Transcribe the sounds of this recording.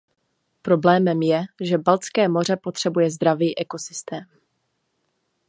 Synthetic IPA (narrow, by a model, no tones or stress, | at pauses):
pɾo̞blɛːmɛmjɛʒɛbalt͡skɛːmo̞r̝ɛpo̞t̪r̝̥ɛbujɛzd̪ɾaviːʔɛko̞sɪst̪ɛːm